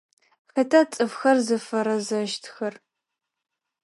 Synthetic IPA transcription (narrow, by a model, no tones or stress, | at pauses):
xɐtʰat͡sʼɨfxɐrzɨfɐɾɐzɐʃtʰxɐr